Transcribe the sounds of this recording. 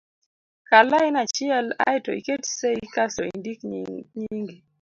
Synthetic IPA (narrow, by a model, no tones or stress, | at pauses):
kalaɪnat͡ʃɪɛla̰jtɔ̰ḭketseikasɔḭndikɲiŋɡi